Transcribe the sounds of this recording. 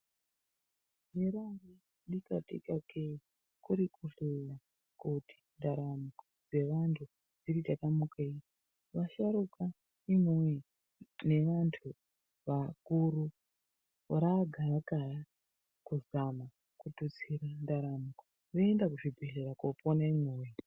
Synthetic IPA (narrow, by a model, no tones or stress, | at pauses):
eɾari | ɗikatḭkakʰe | kuɾikʰuɬeja | kuti̥ndaɾamukod͡ze̞ʋantʰu | d͡ziritatamukei | ʋaʃaɾuka | imewe | ne̞ʋantʰu | ʋakuɾu | ɾaɡʱarakara | kuzama | kutut͡siɾandaɾamuko̥ | ʋoendakuʐibʱeɮerakoponaimewe